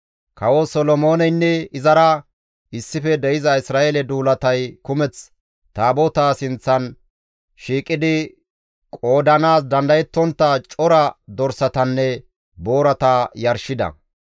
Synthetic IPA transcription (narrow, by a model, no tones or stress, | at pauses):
kɐwosɔlɔmo̞ːnɛjnːɛɪzɐɾɐ | ʔɪsːɪfɛd̪ɛjɪzɐɪsɾaːʔelɛd̪uːlɐt̪ɐjkʊmɛt͡s | t̪aːbot̪asɪnt͡sːɐn | ʃiːkʼɪd̪ɪ | kʼo̞ːd̪ɐnaːs̬d̪ɐnd̪ɐjɛt̪ːɔnt̪ːɐt͡ʃʼɔɾɐd̪ɔɾsɐt̪ɐnːɛ | bo̞ːɾɐt̪ajɐɾʃɪd̪ɐ̰